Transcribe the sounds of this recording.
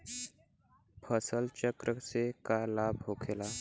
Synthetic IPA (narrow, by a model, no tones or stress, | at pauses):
pʰəsəlt͡ɕəkɾʔəsekalabʱɦokʰela